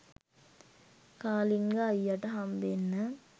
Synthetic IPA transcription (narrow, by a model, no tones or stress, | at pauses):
kaːliŋɡaːjːaʈəɦambenːə